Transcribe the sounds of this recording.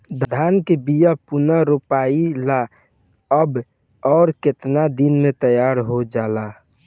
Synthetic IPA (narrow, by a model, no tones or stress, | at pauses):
d̪d̪ʱaːnkebijapunaɾupaːila | əb | ɔːɾkɪt̪nad̪inmẽt̪əjaːɾɦod͡ʒaːla